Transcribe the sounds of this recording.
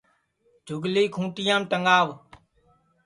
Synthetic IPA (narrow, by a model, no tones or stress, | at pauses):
d͡ʒʱʊɡliːkʰũːʈɪjãːmʈəŋɡaːʋ